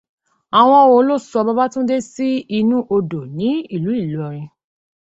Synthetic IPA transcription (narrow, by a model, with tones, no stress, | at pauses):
a˨w̃ɔ̃˧o˧˨˦lo˦sɔ˧ba˦ba˦tũ˦de˦si˦i˧nũ˦ʔo˧do˨nĩ˨˦i˦˨lu˨˦i˦˨lɔ˨˦ɾ̃ĩ˧